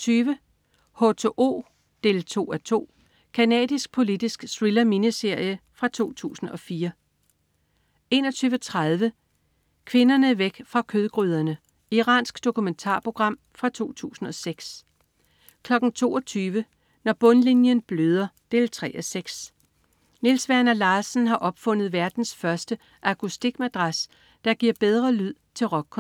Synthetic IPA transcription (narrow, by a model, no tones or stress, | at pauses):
t͡sʰyːʋə | ho̝t͡sʰo̝ʔo̝̰ː | d̥e̝ːlt͡sʰo̝̰ːæt͡sʰo̝̰ː | kʰænɛ̰ːð̥ˠisɡ̥̚pʰo̝lidisɡ̥sʁilɐminəse̝ɐ̰jəfʁɑ̈t͡sʰo̝̰ːt͡sʰṵːsn̩ɒ̽fiːɐ | e̝̰ːnɒ̽t͡sʰyːʋət͡sʰʁað̞ˠʋə | kʰʋe̝nɐnəʋeɡ̥fʁɑ̈kʰøð̞ˠɡ̥ʁyð̞ˠɐnə | iʁɑ̰̈ːnsɡ̥d̥o̝kument͡sʰɑ̰̈ːpʰʁo̝ɡ̥ʁɑ̈m̰fʁɑ̈t͡sʰo̝̰ːt͡sʰṵːsn̩ɒ̽seɡ̥s | kʰlɒ̽ɡ̥n̩t͡sʰo̝̰ːɒ̽t͡sʰyːʋə | nɒb̥ɔ̽nlinjənb̥løð̞ˠɐd̥e̝lt͡sʰʁɛ̰ʔɐseɡ̥s | nelsʋæɐnɐlɑ̈ːsn̩ɦɑ̈ʔɒ̽b̥fɔ̽n̰ð̞̩ˠʋæɐd̥n̩sfɶɐsd̥ə | ʔækʰusd̥iɡ̥mæd̥ʁɑs | d̥ɑ̈ɡ̥iɐ̰b̥eð̞ˠʁɐlyð̰ˠt͡sʰe̝lʁɒ̽ɡ̥̚ʰ